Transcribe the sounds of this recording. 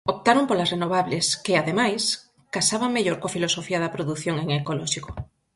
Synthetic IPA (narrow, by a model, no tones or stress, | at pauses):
op̚t̪aɾompolasrenoβ̞aβleskɪaðemajs | kasaβaŋmeʎoɾkoafilosofiɐðɐpɾoðuθjoŋeŋekolɔʃiko